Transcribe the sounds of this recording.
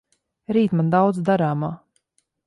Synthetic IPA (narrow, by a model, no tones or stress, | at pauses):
ɾiːt̪mand̪awd̪zd̪aɾaːmaː